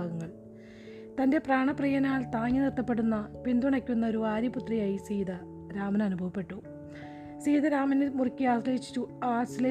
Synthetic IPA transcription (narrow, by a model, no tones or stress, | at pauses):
aːɡɐŋːɐɭ | t̪ɐnde̞praːɳɐprijɐnaːɭt̪aːŋːɐnirt̪ːɐpːe̞ɽunːɐpind̪uɳɐkʲːunːɐo̞ɾuaːɾjiput̪rijaːjisiːd̪ɐ | ɾaːmɐnɐnubʱɐʋɐpːe̞ʈːu | siːðɐɾaːmɐnɨmurkʲːiaːsleːɦit͡ɕːi̥t͡ɕːuaːsile